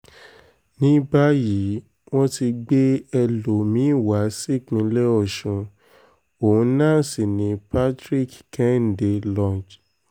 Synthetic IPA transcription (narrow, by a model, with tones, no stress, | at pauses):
nĩ˦ba˦ji˨˦ | w̃ɔ̃˦ti˧ɡ͡be˦ɛ˧lo˨mĩ˨˦˨wa˨˦si˦˨k͡pĩ˧˦lɛ˦ɔ˦˨ʃũ˨˧ | õ˨˦nã˦˨si˨nĩ˨˦pa˦tɾi˦kkɛ̃˦n˨de˧lɔ̃˧˨d͡ʒ